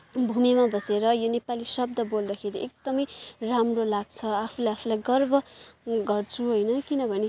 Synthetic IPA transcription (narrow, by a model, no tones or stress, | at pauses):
bʱumimabʱʌseɾʌjonepalisʌb̚d̪ʌbold̪axʰeɾiʔek̚d̪̥ʌmʌjramrolaɡ̚t͡sʰʌapʰulajapʰulajɡʌrbʱʌɡʌrt͡sʰuɦojnʌkinʌbʱʌne